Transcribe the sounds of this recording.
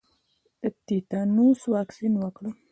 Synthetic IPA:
əp̚t̪it̪ɑnuswɑksinwəkɽu

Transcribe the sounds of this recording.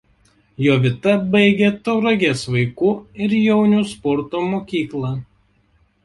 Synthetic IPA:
joːʋʲɪt̪ɐbɐɪɡʲeːt̪ɔʊɾɐɡʲeːsʋɐɪkuːɪɾjɛʊnʲuːspɔɾt̪oːmoːkʲiːklˠɑː

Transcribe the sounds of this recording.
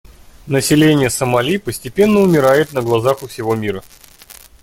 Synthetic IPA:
nəsʲɪlʲenʲɪjəsəmɐlʲipəsʲtʲɪpʲe̞nːəʊmʲɪɾajɪt̪nəɡlˠɐzaxʊfsʲɪvo̞mʲiɾə

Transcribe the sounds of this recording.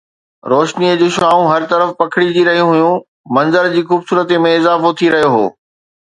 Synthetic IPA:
ɾoːʃniəd͡ʑoːʃaːũɦɐɾt̪ɐɾəfpɐkʰɪɽid͡ʑiɾɐɦijũɦʊjũ | mɐ̃nzəɾd͡ʑiːxuːbsuːɾət̪emẽɪzaːfot̪ʰiɾɐɦijoɦo̰ː

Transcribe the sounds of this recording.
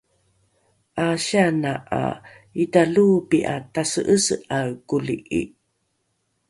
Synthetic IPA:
ʔaɕanaʔa̰ | italubiʔatasəʔəsəʔakuliʔḭ

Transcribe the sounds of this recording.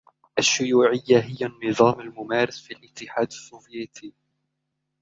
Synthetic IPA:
ʔaʃːʊjuːʕɪjːaɦɪjːanːɨðˤɑːmalmʊmaːɾɑsfilʔɪt̪ːɪħaːd̪asːoːvjeːt̪ʰiː

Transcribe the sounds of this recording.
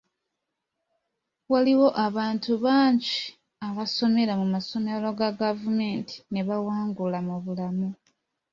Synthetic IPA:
waliwo̞ʔaβaːntuβaːɲɟi | aβaso̞me̞ɾamumaso̞melo̞ɡaɡavume̞ːntʰi̥ne̞βawaːŋɡulamuβulamu

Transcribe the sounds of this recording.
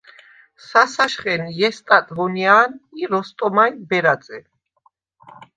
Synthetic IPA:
sasaʃχɛnjɛst̪ʼat̪ʼvɔniaːniɾɔst̪ʼɔmajbɛɾad̪zʼɛ

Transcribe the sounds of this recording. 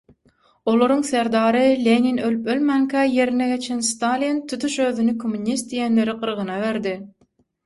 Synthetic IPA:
o̞lˠoɾuŋθeɾd̪ɑːɾɯlʲeninølypølmæŋkʰæje̞ɾineɡe̞t͡ʃʰenst̪ɑlʲint̪ʰut̪ʰuʃøːðynikʰomːunʲist̪̚d̪ijenle̞ɾiqɯɾʁɯnɑβe̞ɾd̪i

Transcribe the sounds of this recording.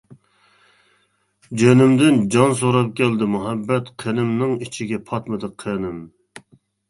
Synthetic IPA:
d͡ʒønɪmd̪ɪnd͡ʒɑnsoɾɑp̚kʲɛld̪ɪmuɦɛbːɛt̪qʰenɪmnɨŋit͡ʃʰiɡʲɛpʰɑt̪mɨd̪ɨqʰːənɪm

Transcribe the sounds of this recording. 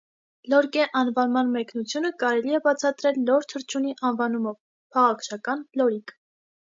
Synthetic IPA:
lɔɾkɛʔɑnvɑnmɑnmɛknut͡sʰjunəkɑɾɛliɛbɑt͡sʰɑt̪ɾɛlːɔɾt̪ʰəɾt͡ʃʰuniʔɑnvɑnumɔv | pʰɑʁɑkʰt͡ʃʰɑkɑnlɔɾik

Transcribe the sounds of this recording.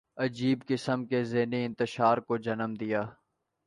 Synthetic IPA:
ɐd͡ʒiːbkɪsəmkezeːniɪ̃nt̪ɪʃaːɾkod͡ʒɐnəmd̪ɪjaː

